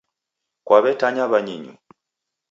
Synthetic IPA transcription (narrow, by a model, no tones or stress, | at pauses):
kwaβɛtaɲaβaɲiɲṵ